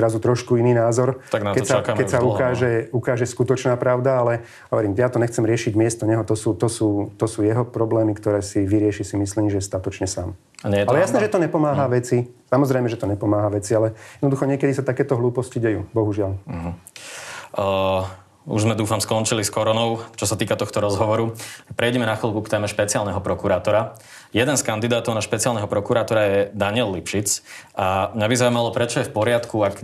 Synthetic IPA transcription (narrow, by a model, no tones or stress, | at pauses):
zɾazut̪ɾɔʃkuiniːnaːzɔɾt̪aɡnakɛssaakakɛsaukaːʒɛukaːʒɛskut̪ɔt͡ʃnaːpɾaʊd̪aalɛ | ɦɔʋɔɾiːmjat̪ɔɲɛxt͡sɛmɾɪɛʃiɟmɪɛst̪ɔɲɛɦɔt̪ɔsuːt̪ɔsuːt̪ɔsuːjɛɦɔpɾɔblɛːmikt̪ɔɾɛːsiʋiɾɪɛʃisimisliːmʒɛst̪at̪ɔt͡ʃɲɛsa̰ːm | aɲɛalɛjjasnɛʒɛt̪ɔɲɛpɔmaːɦaʋɛt͡sisamɔzɾɛjmɛʒɛt̪ɔɲɛpɔmaːɦaʋɛt͡sialɛjɛd̪nɔd̪uxɔɲɪɛkɛd̪isat̪akɛːt̪ɔɦluːpɔsciɟɛjuːbɔɦuʒɪal̩ɦ̩ | ṵʒzmɛd̪uːfamskɔnt͡ʃiliskɔɾɔnɔʊt͡ʃɔsat̪iːkat̪ɔxt̪ɔɾɔzɦɔʋɔɾupɾɛjɟɛmɛnaxilˠbukt̪ɛːmɛʃpɛt͡siaːlnɛɦɔpɾɔkuɾaːt̪ɔɾa | jɛd̪ɛnskand̪id̪aːt̪ɔʊnaʃpɛt͡sialnɛɦɔpɾɔkuɾaːt̪ɔɾajɛd̪aɲɪɛlːipʃit͡samɲabizaumalɔpɾɛt͡ʃɔjɛfpɔɾɪat̪kuak